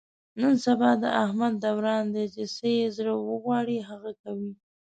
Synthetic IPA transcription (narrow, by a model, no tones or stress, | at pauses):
nənsabɑd̪ə̰ʔahmad̪̚ːawɾɑnd̪əd͡ʒesejezɽəwəɣwɑɽiɦaɣakawi